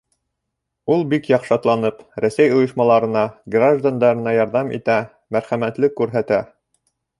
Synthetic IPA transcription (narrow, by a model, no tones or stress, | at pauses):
ulˠbikjɑqʃɑt̪lˠɑnɤpɾæsæjŏjɤ̆ʃmɑlˠɑɾɤ̆nɑɡraʒd̪and̪ɑɾɤ̆nɑjɑɾðɑmḭt̪æ | mæɾχæmæt̪lɘkːʉɾɦæt̪æ